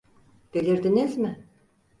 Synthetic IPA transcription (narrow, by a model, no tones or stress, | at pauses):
b̥ilʲiɾd̪inizmɪ